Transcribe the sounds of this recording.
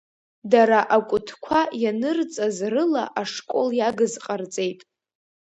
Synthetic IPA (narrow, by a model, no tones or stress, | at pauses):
daɾaʔakʷʼʊtʰkʷʰajanɨrt͡sʼazrɨla̰ʔaʂkʷʼo̞ljaɡɨzqʼart͡sʼe̞jtʼ